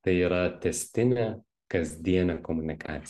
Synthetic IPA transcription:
t̪ɐɪiːɾɐt̪ʲɛsʲt̪ʲɪnʲɛ | kɐzʲd̪ʲiɛnʲɐkɔmʊnʲɪkʰa̰ːt̪sʲ

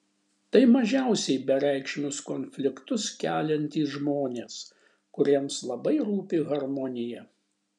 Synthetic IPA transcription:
t̪ɐɪmɐʒʲæˑʊsʲɛɪbʲɛɾʲæˑɪkʃʲɪmʲʊskoːnʲfʲlʲɪkt̪ʊskʲæːlʲɛnʲt̪ʲiːʒmoːnʲeːs | kʊɾʲiɛmslˠɐbɐɪɾuːpʲɪɣɐɾmɔnʲɪjɛ

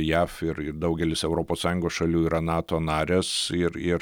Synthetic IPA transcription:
jæːfɪɾɪrd̪ɐʊɡʲɛlʲɪsɛʊɾoːpoːssɑːjʊ̃ŋɡoːsʃɐlʲuːiːɾɐnɑːt̪oːnɑːɾʲɛsɪrɪr

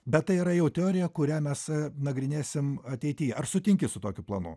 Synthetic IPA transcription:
bʲɛt̪t̪ːɐɪiːɾɐjɛʊt̪ʲɛoːɾʲɪjɛkʊɾʲæːmʲɛsnɐɡɾʲɪnʲeːsʲɪmɐt̪ʲɛɪt̪ʲiːɐrsʊt̪ʲɪŋʲkʲɪsʊt̪oːkʲʊplˠɐnʊ̰

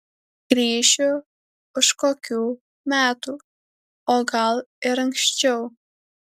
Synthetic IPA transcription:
ɡ̥ɾʲiːʃʲʊ | ʊʃkoːkʲuː | mʲæːt̪uː | oːɡɐlˠɪɾɐŋkʃsʲt͡ʃʲɛʊ

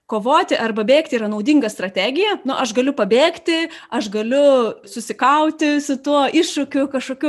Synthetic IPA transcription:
koːʋoːt̪ʲɪʔɐrbɐbʲeːkt̪ʲiːɾɐnɐʊd̪ʲiŋɡɐst̪ɾɐt̪ʲæːɡʲɪjɛnʊʔɐʃɡɐlʲʊpɐbʲeːkt̪ʲɪɐʃɡɐlʲʊsʊsʲɪkɐʊt̪ʲɪsʊt̪uɔɪʃʃʊkʲʊkɐʃkoːkʲuː

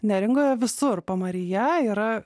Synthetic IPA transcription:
nʲæɾʲɪŋɡoːjɛʋʲɪsʊrpomɐɾʲɪjɛiːɾɐ

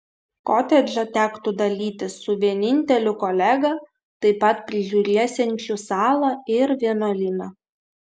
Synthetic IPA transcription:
koːt̪ʲɛd͡ʒʲɐt̪ʲæːkt̪ʊd̪ɐlʲiːt̪ʲɪsʊʋʲiɛnʲɪnʲt̪ʲɛlʲʊkɔlʲæɡɐ | t̪ɐɪpɐt̪pʲɾʲɪʒʲuːɾʲisʲɛŋʲt͡ʃʲuːsɑːlˠɐɪɾʋʲiɛnolʲiːnɐ

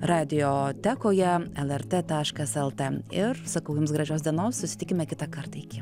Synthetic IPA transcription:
ɾɑːd̪ʲɪjoːt̪ʲæːkoːjɛɛlˠɛɾt̪ʲeːt̪ɑːʃkɐsɛlˠt̪ɛɪɾsɐkɐʊjʊmsɡɾɐʒʲoːsd̪ʲiɛnoːssʊsʲɪ̥t̪ʲɪkʲɪmʲɛkʲɪt̪ɑkɐɾt̪ɐɪkʲɪ

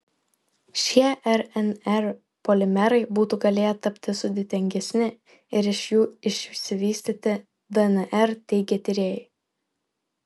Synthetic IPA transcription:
ʃʲiɛʔɛɾɛnɛɾ | pɔlʲɪmʲɛɾɐɪbuːt̪uːɡɐlʲeːjɛt̪ɐpʲt̪ʲɪsʊd̪ʲɪt̪ʲɛŋʲɡʲɛsʲnʲɪ | ɪɾɪʃjuːɪʃʲsʲɪʋʲiːsʲt̪ʲiːt̪ʲɪ | d̪ɐɛnʔɛɾt̪ʲɛɪɡʲɛt̪ʲɪɾʲeːjɛɪ

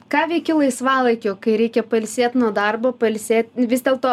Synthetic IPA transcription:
kɑːʋʲɛɪkʲɪlˠɐɪsʋɑːlˠɐɪkʲoːkɐɪɾʲɛɪkʲɛpɐlʲsʲeːt̪ʲnuɔd̪ɐrboːpɐlʲsʲeːt̪̚ʲʋʲɪzd̪ʲeːlˠt̪oː

